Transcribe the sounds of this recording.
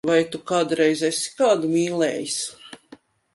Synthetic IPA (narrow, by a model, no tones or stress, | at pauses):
vajt̪ukaːd̪ɾɛjzɛsi̥kaːd̪umiːlɛːjis